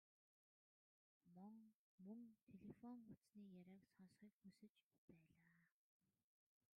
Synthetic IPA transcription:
mɔŋ | mɵŋt̪ʰeɮefɔŋut͡sniːjaɾʲæːksɔnsχiːkxusɘ̆t͡ɕpæːɮaː

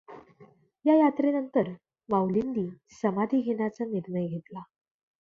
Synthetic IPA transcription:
jajat̪ɾenənt̪əɾ | ʋawlind̪iː | səmad̪ʱiːɡʱeɳjat͡saniɾɳəjɡʱet̪la

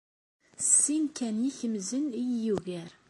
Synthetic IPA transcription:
sːinkæniçəmzənijjuʝæɾ

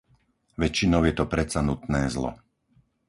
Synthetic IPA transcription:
ʋɛt͡ʃːinɔʊjɛt̪ɔpɾɛt͡sanut̪nɛːzlɔ̰

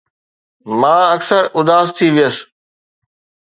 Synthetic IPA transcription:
mãːɐksəɾʊd̪aːzt̪ʰiʋijəs

